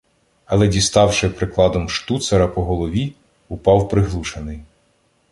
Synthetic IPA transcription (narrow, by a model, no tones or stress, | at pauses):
ɐlˠɛdʲist̪ɑwʃɪpɾɪklˠɑd̪ɔmʃt̪ut̪sɐɾɐpɔɦɔlˠɔʋʲi | ʊpɑwpɾɪɦlˠuʃenɪj